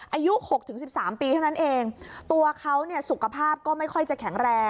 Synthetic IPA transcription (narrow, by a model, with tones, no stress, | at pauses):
ʔʔaː˧ju˦˥ho˨˩k̚t̪ʰɯ˩˦ŋsi˨˩p̚saː˩˦mpiː˧t̪ʰa˥˩na˦˥nʔeː˧ŋt̪u˧ɐkʰa˦˥wni˥˩ɐsu˨˩kʰa˧pʰaː˥˩p̚kɔː˥˩ma˥˩jkʰɔ˥˩jt͡ɕa˨˩kʰɛ˩˦ŋɾɛː˧